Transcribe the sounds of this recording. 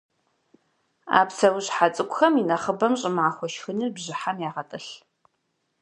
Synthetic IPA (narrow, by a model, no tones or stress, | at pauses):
a̰ːpsʰɐwʊɕħat͡sʼɨkʷʼʊxɐminɐχəbɐmɕʼɪmʕaxʷɔʃxɨnirbʑɪħamjaːʁɐtʼɨɬ